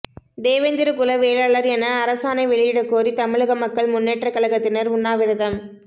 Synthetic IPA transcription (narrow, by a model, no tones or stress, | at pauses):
d̪eːʋɐnd̪ɪɾɯkʊlɐʋeːlaːɭɐɾɛnɐːɾɐsaːnɐɪʋɛɭɪjɪɽɐkːoːrit̪ɐmɪɭɯɣɐmɐkːɐɭmʊnːeːʈrɐkɐɭɐɣɐt̪ːɪnɐɾʊnːaːʋɪɾɯðɐm